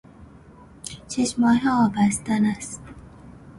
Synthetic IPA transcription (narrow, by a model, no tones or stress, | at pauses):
t͡ʃʰeʃmɒːɦɛɒːbæst̪ænæst̪